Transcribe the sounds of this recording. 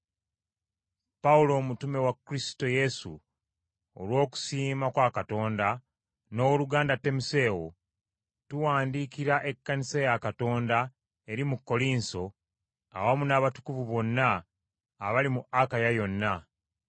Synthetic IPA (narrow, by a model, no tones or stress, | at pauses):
paulo̞ːmutume̞wakːɾisto̞je̞sṵː | lwo̞ːku̥siːmakwaːkato̞ːnda | no̞ːluɡaːndatːe̞muse̞ːwo̞̰ | tuwaːndiːkiɾaʔe̞kːanisejakato̞ːnda | e̞ɾimukːo̞liːnso̞ | a̰wamunaβatu̥kuvuβo̞nːaː | βalimuakajajo̞nːa